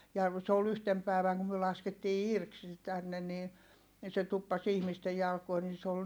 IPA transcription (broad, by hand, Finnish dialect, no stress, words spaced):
jɑ se ol yhtem pæˑi̯ʋæŋ kum myø lɑsketːiː irk se tænːe ni ni se tupːɑs ihmiste jɑlkoi ni se ol